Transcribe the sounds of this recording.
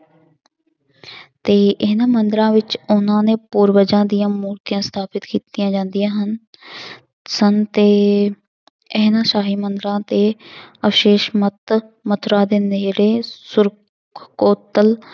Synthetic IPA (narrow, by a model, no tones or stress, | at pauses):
t̪eːʔɪɦnãːmənd̪ɾãːʋɪt͡ʃʊnãːneːpuːɾbəd͡ʒãːd̪ijãːmuːɾt̪ijãːst̪ʰaːpɪt̪kiːt̪ijãːd͡ʒãːnd̪ijãːɦən | sənt̪eː | eɦnãːʃaːɦiːmənd̪ɾãːt̪eːəfʃeːʃmət̪mət̪ʰɾaːd̪eːneːɾeːsʊɾ | koːt̪əl